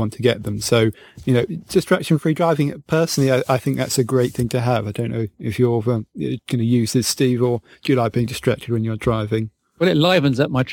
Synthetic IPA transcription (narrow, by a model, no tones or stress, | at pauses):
ɑ̃ntʰəɡɛʔ̪̚ðə̃msoʊjɨnoʊd̥ɪstɹ̥ækʃə̃nfɹidɹaɪvɪ̃ŋpʰɜˑ˞sn̩l̩ˠiaɪʔaɪθɪ̃ŋk̚ðæ̰tsɨɡɹeɪt̪̚θɪ̃ŋtʰɨəvaɪdõʊ̃nːoʊɪfjə˞ʌɡ̥ʌnɨjʉːzðɪz̥stivə˞ | d̥əjəlaɪk̚b̥iːɪ̃ŋdɨstɹ̥æk̚tʰɨd̚wə̃njə˞dɹaɪvɪ̃ŋ | wɛlɪʔlaɪvə̃nzʌp̚maɪtʰ